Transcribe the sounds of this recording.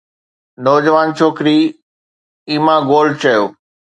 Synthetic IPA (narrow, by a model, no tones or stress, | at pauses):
nɔːd͡ʑəʋaːnt͡ɕʰoːkɾi | iːmãɡoːlɖ̚t͡ɕɐjoː